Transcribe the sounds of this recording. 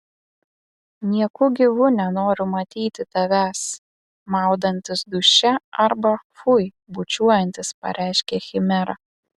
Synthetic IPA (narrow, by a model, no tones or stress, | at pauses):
nʲiɛkʊɡʲɪʋʊnʲɛnoːɾʲʊmɐt̪ʲiːt̪ʲɪt̪ɐʋʲæs | mɑˑʊd̪ɐnʲt̪ʲɪsd̪ʊʃʲɛɐɾbɐfʊj | bʊt͡ʃʲuɔjɛnʲt̪ʲɪspɐ̰ɾʲʔʲæˑɪʃʲkʲɛxʲɪmʲɛɾɐ